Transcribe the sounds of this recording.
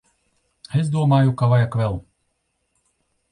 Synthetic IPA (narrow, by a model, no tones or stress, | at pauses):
es̬d̪uɔmaːjukavajakvʲɛlˠ